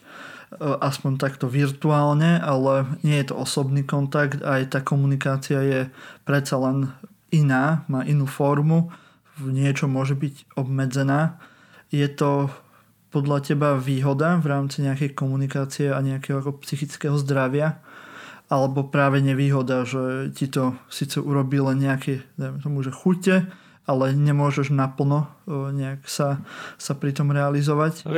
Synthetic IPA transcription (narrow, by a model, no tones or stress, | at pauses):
ʔaspɔɲt̪akt̪ɔʋiɾt̪uaːlɲɛʔalɛɲɪɛjɛt̪ɔ̰ɔsɔbniːkɔnt̪akt̪ajt̪aːkɔmunikaːt͡siajɛpɾɛt̪t͡salɛn | inaːmaːʔinuːfɔɾmu | ɲɪɛt͡ʃɔmʊɔʒɛbiɟɔbmɛd͡zɛnaː | jɛt̪ɔ | pɔd̪ʎacɛbaʋiːɦɔd̪avɾaːmt͡siɲɛakɛjkɔmunikaːt͡siɛaɲɛakɛɦɔakɔpsixit͡skɛɦɔzd̪ɾaʋɪa | alɛbɔpɾaːʋɛɲɛʋiːɦɔd̪aʒɛcit̪ɔsiːt͡sɛʔuɾɔbiːlɛnɲɛakɛd̪aɪmɛt̪ɔmuʒɛxucɛ | alɛɲɛmʊɔʒɛʒnapl̩ˠnɔɲɛaksasapɾit̪ɔmɾɛalizɔʋac